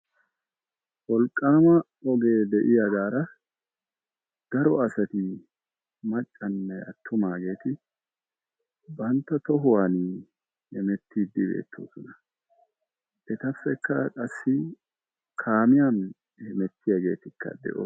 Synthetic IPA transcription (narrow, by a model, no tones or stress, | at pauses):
wɔlkʼːaːmɐ | ɔɡe̞ːd̪ɛʔɪjɐɡaːɾɐ | d̪̥ɐɾɔɐsɐt̪ɪ | mɐt͡ʃʼːɐnːɛʔɐ̰t̪ʰːʊmaːɡe̞ːt̪ɪ | bɐnt̪ːɐt̪ɔɦʊwaːn | hɛmɛt̪ːiːd̪ːɪbḛːt̪ʰːo̰ːsɔnɐ | ɛt̪ɐfːɛkːɐkʼɐsːɪ | kʰaːmɪjaːn | hɛmɛt̪ːɪjɐɡe̞̰ːt̪ɪkːɐ̰d̪ɛ̰ʔo̰